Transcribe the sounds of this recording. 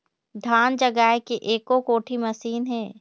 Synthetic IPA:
d̪ʱaːnd͡ʒɐɡaːekeʔeːkokoːʈʰimɐsiːnɦɛː

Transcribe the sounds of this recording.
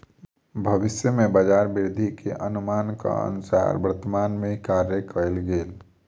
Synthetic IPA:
bʱəʋɪsjəmẽbəd͡ʒaːɾbɪɾd̪ʱikeʔənʊmaːnka̰ə̰nʊsa̰ɾbəɾt̪əmaːnmẽkaɾjəkəlɡeːl

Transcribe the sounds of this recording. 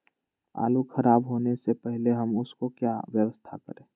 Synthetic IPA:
a̰ːlukʰɐɾaːbɦoːnesepɛɦleɦɐmʊskokjaʋjəʋəst̪ʰakə̰ɾẽː

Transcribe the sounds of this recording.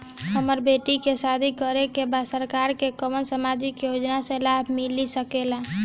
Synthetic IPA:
ɦəməɾbeʈikesad̪ʱikəɾekebasəɾkaɾkekəmənsəmad͡ʒikjod͡ʒnasẽlabʱmilisəkela

